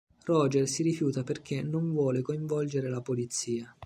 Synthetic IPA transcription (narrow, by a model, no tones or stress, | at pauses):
rɔːd͡ʒersiɾifjuːt̪aperkʰenoɱvwɔːlekoiɱvɔld͡ʒeɾelapolit̪sːiːa